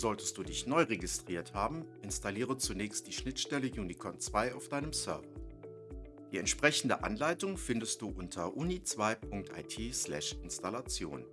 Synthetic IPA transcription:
z̥ɔltə̥st̚d̥uːdɪçnɔʏʁeɡɪstʁ̥iːɐthaːbm̩ʔɪnstaliːʁ̞ət͡sunɛːçst̚d̥iːʃnɪtʃtɛləjuːnikʰɔnt͡sv̥aɪaʊfd̥aɪnəmsœɐvɐ | d̥iːɛntʃpʁ̥ɛçn̩də̰ʔa̰nlaɪtʊŋfɪndəst̚d̥uːʔʊntʰɐʔunit͡sv̥aɪpʰʊŋk̚tʰa̰ɪtʰiːslɛ̰ʃɪnstalat͡sjo̰ːn

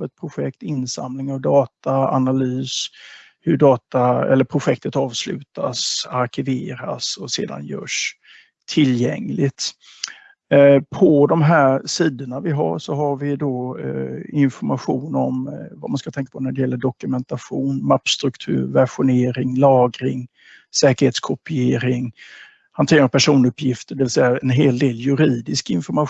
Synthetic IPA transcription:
ɛt̪̚pʰɾʊɧɛkt̪ɪnsa̰mlɪŋavd̪ɑːt̪aa̰nalyːs | hɵɖɑːt̪aɛ̰lːəɾpʰɾʊɧɛkt̪ət̪ɑːvslʉ̟̰ːt̪asaɾkʰɪveːɾasɔsḛːd̪a̰njœ̰ːʂ | t̪ʰɪljɛŋlɪt̪ | pʰɔd̪ɔmɦæːɾsiːd̪əɳavɪɦa̰ʂɔɦaɾvɪd̪ɔ | ɪnfɔɾmaɧuːnɔmva̰manskat̪ʰɛŋkḁpʰɔnæɖɛjɛlːəɖɔkɵmɛnt̪aɧuːnmapːst̪ɾɵkt̪ʰʉ̟ːɾvæɧʊneːɾɪŋlɑːɡɾɪŋ | sɛːkəɾheːt̪skʰɔpɪeːɾɪŋ | hant̪ʰeːɾapʰæʂuːnɵpʰːjɪft̪əɖɛvɪlsɛjːaɛnɦeːld̪eːljɵɾiːd̪ɪskɪnfɔɾma

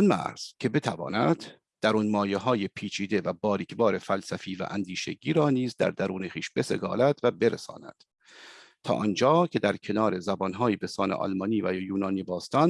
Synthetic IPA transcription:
nmæ̰ɾz̥kʰe̞be̞t̪ʰævɒ̰ːnæd̪̥ | d̪̥æɾuːnmɒːjeɦɒːjepʰiːt͡ʃʰiːd̪e̞væbɒːɾicʰbɒːɾe̞fælsæfiːvæ̰ʔænd̪iːʃe̞̰ɟiːɾɒːniːzd̪æ̰ɾd̪æɾuːneχiːʃbe̞se̞̰ɡɒ̰ːlæd̪væbe̞ɾḛsɒ̰ːnæ̰d̪̥ | t̪ʰɒ̰ːʔɒnd͡ʒɒːcʰʲe̞d̪æɾcʰe̞nɒːɾe̞zæbɒnɦɒːjebe̞sɒːnḛʔɒ̰lmɒniːvæjuːnɒːnibɒːst̪ɒn

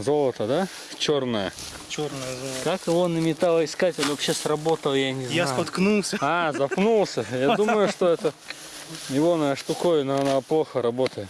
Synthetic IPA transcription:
zo̞lˠət̪əd̪a | t͡ɕo̞rnəjə̰ | kakɪvo̞nəmʲɪt̪alˠəɪskatʲolʲvɐpɕːesrɐbo̞t̪əlˠjanʲɪzj̪nasʊpɐt̪knulˠsʲəazɐppnulˠsʲəjad̪uməjʊʂt̪oɛt̪ə | jɪvonəʂt̪ʊkojʊnoɐnaplˠoxəɾɐbo̞t̪əjɪt̪

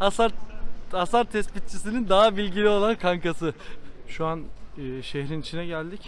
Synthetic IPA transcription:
asaɾasaɾt̪ʰɛspit̪̚t͡ʃʰis̬inind̪aɦabilʲɟilʲio̞lˠankʰaŋkasɯʃuanːʃeçɾinit͡ʃʰinɛɟælʲd̪ic

